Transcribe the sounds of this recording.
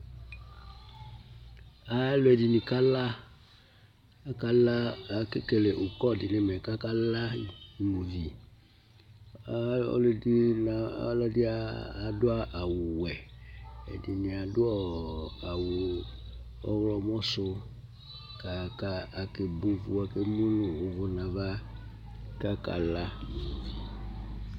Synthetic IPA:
a˨˦lo˨˦ɛ˨di˨nĩ˨ka˦la˦ | ka˦la˦a˨ke˦ke˨le˨ʔo˨kɔ˦˨dɪ˨ne˦me˨ka˦ka˦la˦˨i˨mo˨vi˨˦ | ɔ̰˦le˦di˦na˨˦lɔ˦dɪ˦aː˦˨dʊ˦a˦ʔa˨wu˨wɛ˨ɛ̰˨dɪ˨nĩ˨a˨dʊ˦ɔ˦a˨wu˨ | ɔ̰˦wlɔ˨m˦ɔ̃˦sʊ˦ | ka˨ka˦a˨ke˨bo˨vu˨a˨ke˦mu˦lu˨wo˨vʊ˦nã˨va˦ | ka˦ka̰˨la˦n˨mu˨vi˨

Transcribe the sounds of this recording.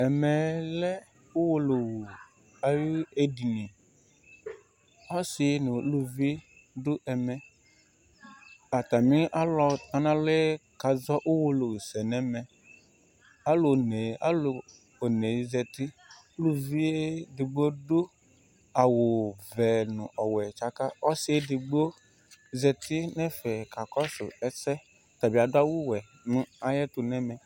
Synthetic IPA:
ɛ˨mɛ˨lɛ˦ | o˦wo˦lo˨wu˨ | a˨ju˦e˦di˨nĩ˨ | ɔ˦si˨˦nũ˨˦lu˦vi˦ | du˦ʔɛ˨mɛ̃˨ | a˨t̪a˨mĩ˦ʔa˦lɔ˨t̪a˨nã˦le˦e˦ka˨zɔ˦ʔo˦wo˦lo˨wi˨sɛ˨nɛ̃˦mɛ̃˨ | a˦lo˨ne˨a̰˦lo˨ | o˨ne˨˦zɛ˨t̪i˦ | lu˦vi˦e˦di˨ɡ͡bo˦du˦ | a˨wo˨vɛ˨nũ˨ʔɔ˨wɛ˨t͡ʃa˦ka˦ɔ˦si˦e˦di˨ɡ͡bo˦ | zɛ˨t̪i˦nɛ̃˦fɛ˨ka˨kɔ˦sʊ̰˨ɛ˦sɛ˦ | t̪a˨bi˨a˨dʊ˦a˦wu˦wɛ˨ | nũ˦a˨jɛ˦t̪u˨nɛ̃˦mɛ̃˨

